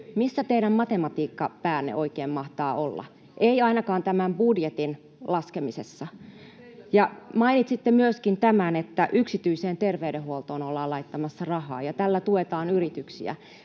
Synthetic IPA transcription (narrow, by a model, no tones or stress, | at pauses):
misːæt̪eiɾæmmɑt̪emɑt̪iːkːɑpæːnːḛʔo̞ikeːmmɑht̪ɑːʔolːɑ̰ | ʔeiɑinɑkɑːnt̪æmæmbudjet̪in | lɑskemisesːɑ | jɑmɑinit̪sit̪ːemyøskint̪æmænet̪ːæʔyksit̪yiseːnt̪erʋeydehuolt̪oːnolːɑːlɑit̪ːɑmɑsːɑrɑhɑ̰ːjɑt̪ælːæt̪uet̪ɑːnyrit̪yksḭæ̰